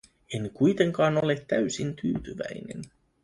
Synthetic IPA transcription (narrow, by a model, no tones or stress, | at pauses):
e̞nkujt̪e̞ŋkɑːno̞let̪ːæɥsint̪yːt̪yʋæ̰jne̞̰n